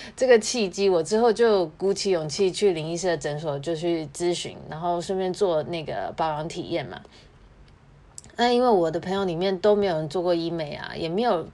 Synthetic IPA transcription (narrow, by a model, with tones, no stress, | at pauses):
ʈ͡ʂɤ˥˩ɡə˩t͡ɕʰi˥˩t͡ɕi˥wɔ˨˩ʈ͡ʂɻ̩˥xo˥˧ʊt͡ɕjo˥˩ʊku˧˥t͡ɕʰi˧˥jʊ˨˩ŋt͡ɕʰi˥˧t͡ɕʰy˥˩li˧˥ŋi˥s̬ə˥˩ə˨ʈ͡ʂə˧˥nʂɔ˨˩t͡ɕjo˥˧ʊt͡ɕʰy˥˩t͡sɹ̩˥˦ɕy̰˧˥nɻa˧˥nxo˥˩ʊʂə˥˧pjɛ˥˧nt͡swɔ˥˧na˥˩ɡə̰˩pɑ˥ʊwɑ˧˥ŋt̪ʰḭ˨˩jɛ˥˩nmɐ̰˩ | na˥˧i˥nwe˥˩ɪwɔ˨˩d̪ə˦pʰə˧˥ŋjŋli˨˩mjɛ˥˩nt̪o˥ʊme˧˥ɪjo˨˩nə˧˦t͡swkwɔ˥˧i˥me˨˧˩ɪɐ̰˨˩jʔɛ̰˨˩me˧˥ɪjo˨˩ʊ